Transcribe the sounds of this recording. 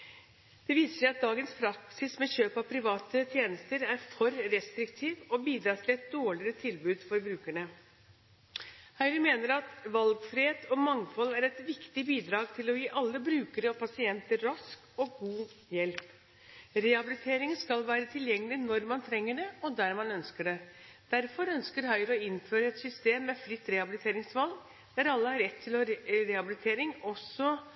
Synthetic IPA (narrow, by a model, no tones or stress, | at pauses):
d̪̥ɛʋiːsəʂæɪɑt̪̚d̪ɑːɡənspʰɾɑksɪsmɛçøːpɑpʰɾɪʋɑːt̪ət̪ʰjeːnəst̪əɾæɾfɔɾɾɛst̪ɾɪkt̪ʰiːʋɔbiːd̪ɾɑːt̪ʰɪlɛt̪̚d̪oːɭɪɾət̪ʰɪlbʉːd̪fɔɾbɾʉːkæɳə | hæɪɾəmeːnəɾɑt̪ʋɑlɡfɾɪeːt̪ʰɔmɑŋfɔlːæɾɛt̪ʋɪkt̪ɪbiːd̪ɾɑːɡ̚t̪ʰɪlɔjiːʔɑlːəbɾʉːkəɾəɔpʰɑsɪɛnt̪əɾɑsk | ɔɡuː | jɛlp | ɾɛhɑbɪlɪt̪ʰeːɾɪŋəskɑlʋæːɾət̪ʰɪljɛŋːəlɪnɔɾmɑnt̪ʰɾɛŋːəɖɛɔd̪æɾmɑnœnskəɖɛd̪̥æɾfɔɾœnskəɾɦœʏɾəɔɪnːføːɾəɛt̪sʏst̪eːmːɛfɾɪt̪ːɾɛhɑbɪlɪt̪ʰeːɾɪŋsʋɑlɡ | d̪̥æɾɑlːəhɑɾːɛt̪ʰːɪlɔɾɾɛhɑbɪlɪt̪ʰeːɾɪŋɔsɔ